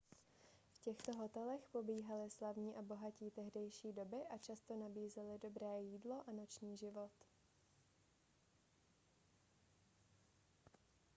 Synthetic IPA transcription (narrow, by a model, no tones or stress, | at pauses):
fcɛxt̪o̞ɦo̞t̪ɛlɛxpo̞biːɦalɪslavɲiːʔabo̞ɦaciːt̪ɛɦdɛjʃiːdo̞bɪʔat͡ʃast̪o̞nabiːzɛlɪdo̞bɾɛːjiːdlo̞ʔano̞t͡ʃɲiːʒɪvo̞t̪